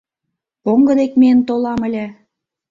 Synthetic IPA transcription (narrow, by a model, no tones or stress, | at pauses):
oŋɡə̆d̪ekmeənt̪olɑmə̆lʲĕ